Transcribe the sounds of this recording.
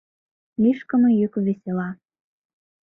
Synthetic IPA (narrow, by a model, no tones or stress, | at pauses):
liʃkə̆mɤ̆jøkβesʲelɑ